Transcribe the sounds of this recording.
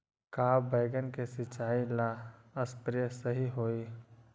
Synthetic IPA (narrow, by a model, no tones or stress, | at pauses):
kaːbeːɡənkesɪt͡ʃːaːilaəspɾjəsəɦiɦoːiː